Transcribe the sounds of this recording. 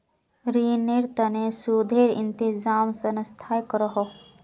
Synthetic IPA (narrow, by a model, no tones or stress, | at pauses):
ɾiːniɾt̪ənesud̪ʱeːɾɪ̰nt̪izaːmsɐnst̪ʰajkɾəɦo